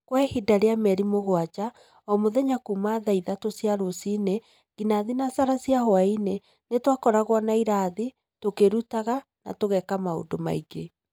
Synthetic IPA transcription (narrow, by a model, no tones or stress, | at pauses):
kwaehidaɾeamɛɾimoɣwat͡ʃa | ɔmoðɛɲakumaðaiðatosiaɾosine | ɡinaðinasaɾasiahwaine | netwakɔɾaɣwɔnaiɾaði | tokeɾutaɣa | na̰toɣɛkamao̰doma̰iɡe